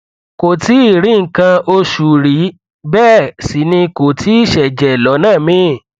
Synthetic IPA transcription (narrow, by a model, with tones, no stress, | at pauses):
ko˨ti˨˦i˦˨ɾi˨˦ŋ̩˨kã˧o˧ʃu˨ɾi˨˦ | bɛː˦˨si˨˦nĩ˧ko˨tʰi˨˦i˦˨ʃɛ˨d͡ʒɛ˨lɔ˨˦nãː˦˨mĩ˦˨